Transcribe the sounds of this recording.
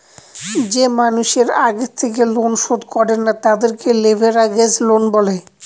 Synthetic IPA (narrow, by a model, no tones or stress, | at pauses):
d͡ʑemanuʃeɾaɡet̪ʰːek̬elonʃod̪kɔɾenːat̪ad̪eɾkelebʱeɾaɡed͡ʑlonbɔle